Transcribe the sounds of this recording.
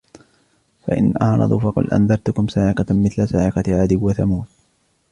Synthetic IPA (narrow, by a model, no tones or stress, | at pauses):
fa̰ʔɪ̰nʔahnɑ̰d̪ˤufɑqʊ̰lʔa̰nðɑɾˤt̪ʊkʊmsaːʕɪqɑmɪθlasaːʕɪqɑʕaːd̪ɪbwaθamuːt̪̚